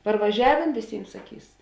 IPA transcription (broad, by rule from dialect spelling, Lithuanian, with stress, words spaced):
pɐrʋɐˈʒʲæːʋʲeːn ʋʲeːˈsʲiːm sɐˈkʲiːs